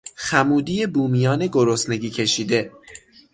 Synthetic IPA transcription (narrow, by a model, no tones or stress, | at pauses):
xæmuːd̪iːjebuːmijɒːneɡoɾosne̞ɡiːcʰe̞ʃiːd̪e̞